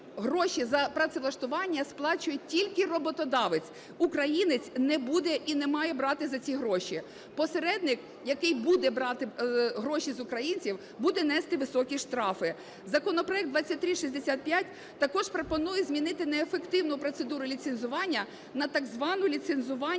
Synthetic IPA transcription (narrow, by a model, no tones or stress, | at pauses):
ɦɾɔʃizɐpɾɐt̪sɪlˠɐʃt̪ʊʋɑnʲːɐsplˠɑt͡ʃʊjɛtʲilʲkɪrɔbɔt̪ɔd̪ɑʋet͡sʲ | ukɾɐjinɪt͡sʲnɛbud̪ɛʔinɛmɑjɛbɾɑt̪ɪzɐt͡sʲiɦɾɔʃʲi | pɔseɾɛd̪nɪk | jɐkɪjbud̪ɛbɾɑt̪ɪɦɾɔʃizʊkɾɐjinʲt͡sʲiw | bud̪ɛnɛst̪ɪʋɪsɔkʲiʃt̪ɾɑfɪ | zɐkɔnɔpɾɔjɛk̚d̪ʋɑt͡sʲːɐt̚ʲt̪ɾʲiʃisʲd̪esʲat̪̚pʲjat̚ʲ | t̪ɐkɔʒpɾɔpɔnujɛzʲmʲinɪt̪ɪnɛːfekt̪ɪwnʊpɾɔt̪sed̪uɾʊlʲit̪senzʊʋɑnʲːɐ | nɐt̪ɐɡzʋɑnʊlʲit̪senzʊʋɑ